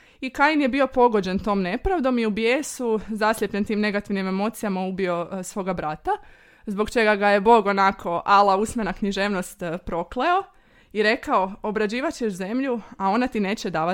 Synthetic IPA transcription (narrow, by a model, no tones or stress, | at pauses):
ikajinjebio̞po̞ɡo̞d͡ʑe̞nt̪o̞ːmne̞pɾaʋd̪o̞miubjeːsuzaslʲʎʲepʎent̪iːmne̞ɡat̪iʋnime̞mo̞t̪sijamaubio̞sʋo̞ːɡabɾat̪a | zbo̞ɡt͡ʃe̞ɡaɡaje̞bo̞ɡo̞nakʰo̞ʔalˠausmʲenakɲiʒe̞ːʋno̞st̪pɾo̞kleo̞ | iɾe̞kaoobɾad͡ʑiːʋat͡ɕeʃze̞mʎuao̞nat̪ine̞ːt͡ɕed̪aːʋa